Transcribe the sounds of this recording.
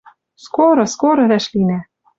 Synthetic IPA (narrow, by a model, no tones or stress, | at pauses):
skoɾɤ̆skoɾɤ̆ɾæʃlinæ